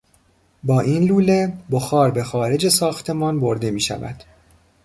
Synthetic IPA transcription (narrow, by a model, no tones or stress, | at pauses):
bɒːʔinluːle̞boxɒːɾbe̞xɒːɾe̞d͡ʒe̞sɒːxt̪ʰe̞mɒːnbo̞ɾd̪e̞miːʃæ̰væ̰d̪̥